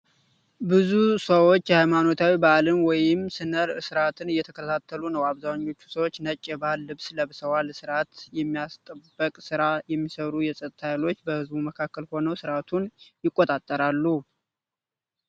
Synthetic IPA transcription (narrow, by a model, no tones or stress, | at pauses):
bɨzusəwo̞t͡ʃːhajmano̞t̪ʰawibəʔalɨnwɔjɪmsɨnəɾsɨɾat̪ʰɨnɨjːɛt̪ʰəkʰət̪ʰat̪ʰːəlunəwaβzawɲːo̞t͡ʃːu̥səwot͡ʃːnət͡ʃʼːɛbahɨlːɨβsləβɨsəwalsɨɾat̪jɛmːijast̪ʼəbːəkʼsɨɾajɛmːisəɾujɛsʼət̪ʼt̪ʰajlo̞t͡ʃːbəhɨzbuməkʰakːəlho̞nəwsɨɾat̪ʰunjɪkʼːot̪ʼat̪ʼːəɾalːu